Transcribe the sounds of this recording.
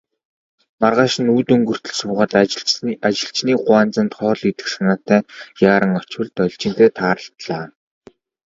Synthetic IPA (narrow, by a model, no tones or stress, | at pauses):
marʁaːʃɪ̆nuːt̪ɵŋɡɵ̆r̥t̪ɵ̆ɮsʊːʁaːt̪at͡ɕɪ̆ɬt͡ɕniːɢʊaːnt͡sə̆nt̪χɔːɮit̪ɘ̆ksanaːt̪æːjaːɾə̆ŋɔt͡ɕwɘ̆ɮt̪ɔɮʲt͡ɕɪ̆nt̪eːt̪ʰaːɾə̆ɬt̪ɮaː